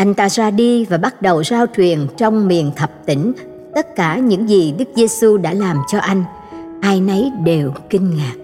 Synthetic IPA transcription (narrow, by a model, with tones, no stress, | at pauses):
ʔa˧jŋ̟t̪a̰ː˧zaː˧ɗi˧vaː˨˩ɓa˦˥t̚ɗə˨˩wzaː˧wt͡ɕwi˨˩ənt͡ɕɔ˧wŋ͡mmḭ˨˩ənt̪ʰə˨˩p̚t̪ï˧˥˦ŋ̟ | t̪ə˦˥t̚kaː˧˩ɲɨ̰˧˥ŋzi˨˩ɗɨ˦˥k̚ze˧su˧ɗa̰ː˧˥laː˨˩mt͡ɕɔ˧ʔa˧jŋ̟ | ʔaː˧jnə˨˦jɗe˨˩wkï˧ŋ̟ŋaː˨˩k̚